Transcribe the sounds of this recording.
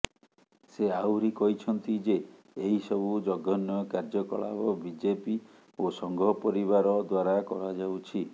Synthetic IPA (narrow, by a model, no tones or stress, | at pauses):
seawɾikɔɦit͡ʃʰɔnt̪id͡ʒeː | ɦisɔbud͡ʒɔɡɔnjɔkaɾd͡ʒɔkɔ̰ɭa̰bɔbid͡ʒepi | osɔŋɡɔɔpɔɾiβaɾɔd̪waɾakɔɽad͡ʒawt͡ʃʰi